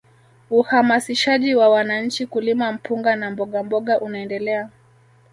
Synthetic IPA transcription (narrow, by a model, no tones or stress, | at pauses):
uhamasiʃaʄiwawanaɲ̩t͡ʃikulimam̩puŋɡanambɔɠambɔɠaʔunaɛndɛlɛa